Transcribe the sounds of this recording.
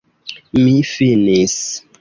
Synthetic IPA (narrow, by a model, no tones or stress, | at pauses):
mifinis